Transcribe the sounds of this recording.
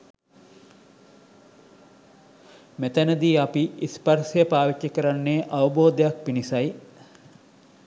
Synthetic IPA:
met̪ənəd̪iːapiisparsejəpaːʋit͡ʃːəkəɾanːeʔaʋəboːd̪ejak̚pinisaj

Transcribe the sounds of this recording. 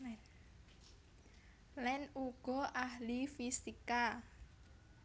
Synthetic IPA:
lɛnuɡ̥ɔ̤ʔaɦlifisika

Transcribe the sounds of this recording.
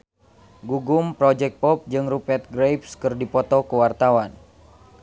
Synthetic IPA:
ɡuɡumpɾɔd͡ʒɛk̚pɔp̚d͡ʒɨŋrupɛt̪̚ɡɾejpskɨrdipɔt̪ɔkuwart̪awan

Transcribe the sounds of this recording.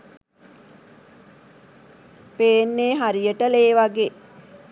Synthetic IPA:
peːnːeːɦaɾijəʈəleːʋaɡeː

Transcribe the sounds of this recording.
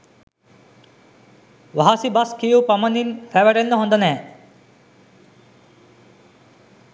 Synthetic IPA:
ʋaɦasibaskijupamɐninfæʋæɖenːəɦõnd̪ənɛː

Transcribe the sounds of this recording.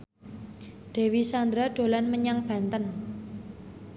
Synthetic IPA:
ɖ̪̥e̤wisand̪ɾaɖ̪̥o̤lanməɲaŋb̥ä̤nt̪ən

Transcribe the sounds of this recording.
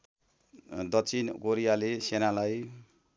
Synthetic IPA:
d̪ʌsʰinkoɾijalesenalaj

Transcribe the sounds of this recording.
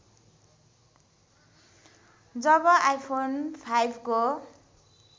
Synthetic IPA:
d͡zʌbʌʔajpʰonpʰajbʱko

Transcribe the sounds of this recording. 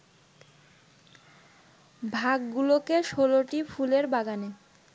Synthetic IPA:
bʱaɡːulokeʃoloʈifʰuleɾbaɡane

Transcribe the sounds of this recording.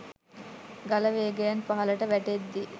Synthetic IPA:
ɡɐlɐʋeːɡɛjɐnpɐɦɐlɐʈəʋæʈed̪ːi

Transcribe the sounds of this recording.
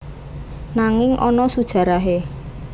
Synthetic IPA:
naŋɪŋʔɔnɔsud̥ʒ̥a̤ɾaɦe

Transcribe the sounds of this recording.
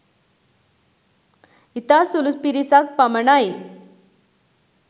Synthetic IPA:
it̪asuluspiɾisak̚paməɳae

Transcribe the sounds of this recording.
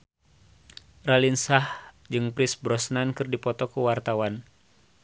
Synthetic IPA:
ralinsah | d͡ʒɨŋpɾisbɾɔsnankɨrdipɔt̪ɔkuwart̪awan

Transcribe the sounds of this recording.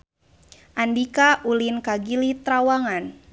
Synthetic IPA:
ʔandikaʔulinkaɡilit̪ɾawaŋan

